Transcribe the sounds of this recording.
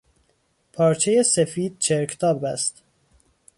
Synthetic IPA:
pʰɒːɾt͡ʃʰejesefiːd̪̚t͡ʃʰeɾkʰt̪ʰɒːbæst̪

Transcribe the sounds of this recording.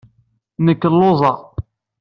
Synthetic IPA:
nəkːəlːoðˤɑ

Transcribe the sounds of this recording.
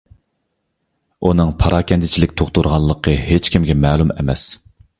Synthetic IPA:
unɨŋpʰɑɾʔɑːkʲɛnt̪ʰɪt͡ʃʰilɪkʲt̪ʰoχt̪uɾʁɑlˠːəqʰəhet͡ʃkʲimɡʲɛmɛːlˠumɛ̰mɛ̰s

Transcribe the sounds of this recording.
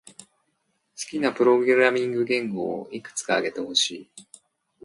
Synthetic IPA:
sɨ̥kʲinapɯ̟ɾo̞ɡɯɾɾamʲĩŋɡɯ̟ɡẽ̞ŋɡo̞̰ːikɯ̥t͡sɨ̥kaːɡe̞t̪e̞ho̞ɕiː

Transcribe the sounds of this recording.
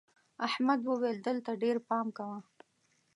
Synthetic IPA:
ahmad̪wəweld̪əlt̪aɖeɾpɑmkawa

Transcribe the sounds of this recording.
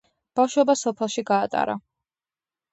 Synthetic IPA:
b̥afʃwɔbasɔpʰɛlˠʃiɡaːt̪ʼa̰ɾa

